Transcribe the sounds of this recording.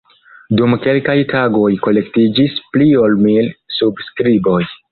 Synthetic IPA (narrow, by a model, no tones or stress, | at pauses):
dumke̞lkajtʰaɡo̞jko̞le̞ktid͡ʒisplio̞lmilsubskɾibo̞j